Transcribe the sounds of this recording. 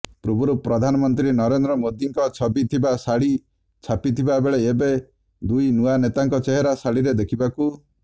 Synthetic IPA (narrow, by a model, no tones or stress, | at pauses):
pɾubuɾupɾɔd̪ʱanɔmɔnt̪ɾinɔɾend̪ɾɔmod̪iŋkɔt͡ʃʰɔbit̪ʰibasaɭi | t͡ʃʰapit̪ʰibabeɭeːbe | d̪ujnuanet̪aŋkɔt͡ʃeɦeɾasaɭiɾed̪ekʰibaku